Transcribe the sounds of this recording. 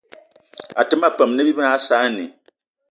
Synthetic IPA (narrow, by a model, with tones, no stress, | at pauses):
a˨tɨ˦ma˦pɛ˨m˨nɨ˦bi˦ba˦saː˨˦nḭ˨